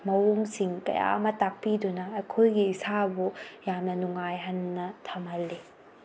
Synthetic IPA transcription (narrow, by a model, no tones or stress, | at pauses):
mɐwoŋsiŋkɐ̰ja̰ɐ̰mɐtak̚pidunɐːkʰojɡiːsaɐbujamnɐnuŋajɦɐnːɐtʰɐmɦɐlːi